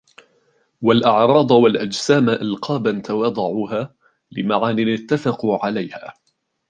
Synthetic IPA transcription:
walʔɑʕɾˤɑːd̪ˤwalʔad͡ʒsaːmaʔɪlqʰɑːbant̪awɑd̪ˤɑʕuːɦaː | lɪmaʕaːnɪnɪt̪ːafɑquʕalajha̰ː

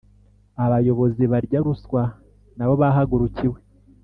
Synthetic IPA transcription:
aβajo̞βo̞ziβaɾɟaɾuswa | naβo̞βaɦaɡuɾuciwe

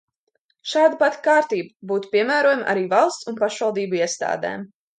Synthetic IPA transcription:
ʃaːd̪apat̪kaːɾt̪iːbabuːt̪u̥piɛmæːɾoɔjamʔa̰ɾiːvalˠst̪sunpaʃvɑlˠd̪iːbuiɛst̪a̰ːd̪ɛ̰ːm

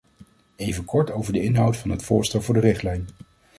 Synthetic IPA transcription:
ejvənkɔɹtowvəɹdəɪnɦɑwtfɑnɦətfʊːɹstɛlˠvʊːɹdərɪχtlɛjn

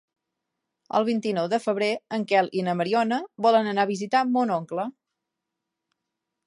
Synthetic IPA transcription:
ə̰lˠβ̞int̪inɔwðəfəβɾeəŋkɛlinəməɾiɔnəβɔlənənaβizit̪amonɔŋklə

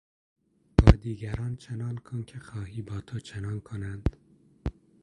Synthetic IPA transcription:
b̥ɒːd̪iːɡæɾɒːnt͡ʃʰenɒːnkʰonkʲʰexɒːɦiːbɒːt̪ʰot͡ʃʰenɒːnkʰonænd̪̥

